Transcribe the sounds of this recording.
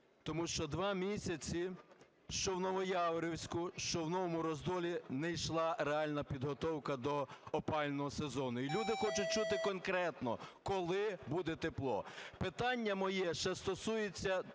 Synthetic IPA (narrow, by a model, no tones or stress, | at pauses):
t̪ɔmuʃt͡ʃɔd̪ʋɑmʲisʲɐt͡sʲi | ʃt͡ʃɔwnɔʋɔjɑʋɾʲɔwsʲkʊʃt͡ʃɔwnɔʋɔmʊɾɔzd̪ɔlʲinɛjʃlˠɑɾeɑlʲnɐpʲid̪ɦɔt̪ɔwkɐd̪ɔɔpɑlʲnɔɦɔsezɔnʊilʲud̪ɪxɔt͡ʃʊt̚ʲt͡ʃut̪ɪkɔnkɾɛt̪nɔ̰kɔlˠɪbud̪ɛt̪eplˠɔ̰pɪt̪ɑnʲːɐmɔjɛʃt͡ʃɛst̪ɔsujet͡sʲːɐ